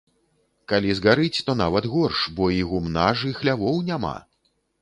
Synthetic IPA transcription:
kalʲizɣaɾɨt͡sʲt̪ɔnavɐd̪ɣɔrʂbɔiɣumnaʐɨxlʲavɔwnʲama̰

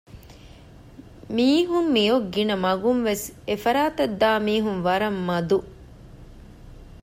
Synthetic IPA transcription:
miːɦumːijoɡːinɐmɐɡunʋesefɐɾaːt̪ɐd̪ːaːmiːɦunʋɐɾɐmːɐd̪u

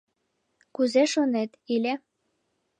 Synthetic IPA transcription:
kuzeʃonet̪ilʲe

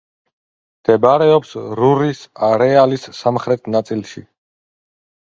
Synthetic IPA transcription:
md̪̥ɛbaɾɛɔpsɾuɾisaɾɛalisːamχɾɛt̪ʰnat̪sʼilˠʃḭ

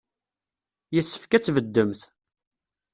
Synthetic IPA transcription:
jəθsːə̥fkæt͡sːvəd̪ːəmθ

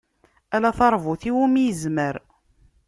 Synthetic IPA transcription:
ælæθɑɾˤvuθiwumijəzməɾ

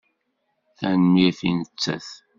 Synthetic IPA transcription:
θænəmjiθinət͡sːæ̰θ

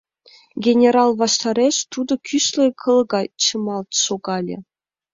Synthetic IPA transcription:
ɡʲenʲeɾɑlˠʋɑʂt̪ɑɾʲeɕt̪ud̪ɤ̆kʲʰyɕlʲɘ̆kʰɤ̆lˠɤ̆ɡɑt͡ɕɤ̆mɑlˠt̪ʂoɡɑlʲɘ̰̆

